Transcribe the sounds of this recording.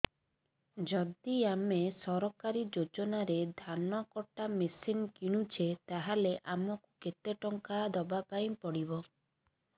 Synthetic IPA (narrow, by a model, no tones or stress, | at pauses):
d͡ʒɔd̪iamesɔɾɔkaɾid͡ʒod͡ʒɔnaɾed̪ʱanɔkɔʈamesinkiɽ̃ut͡ʃʰet̪aɦaleʔamɔkuket̪eʈɔŋkaːd̪ɔbapajĩpɔɽibɔ